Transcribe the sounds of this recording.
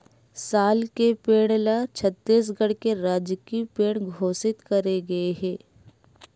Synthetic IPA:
saːlkepeːɽ̃laːt͡ʃʰət̪ːiːs̬ɡɐɽkeɾaːd͡ʒkipeːɽ̃ɡʱoːsɪt̪kɐɾeɡɐeɦɛː

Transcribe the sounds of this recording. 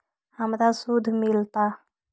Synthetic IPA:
həmɾasud̪ʱmɪlt̪a

